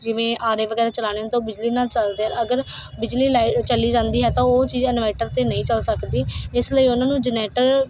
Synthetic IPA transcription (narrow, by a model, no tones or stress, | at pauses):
d͡ʒɪʋẽːʔaːɾeːʋəɡɛːɾeːt͡ʃəlaːñeːãt̪õːbɪd͡ʒliːnaːlt͡ʃəld̪eːɦɛəɡəɾ | bɪd͡ʒliːlaːit͡ʃəliːd͡ʒãːnd̪iːɦɛːt̪ãːoːt͡ʃiːzɛnʋɛːʈəɾt̪eːnəĩːt͡ʃəlsəkd̪iːɪsləiːʊnãːnũːd͡ʒəneːʈəɾ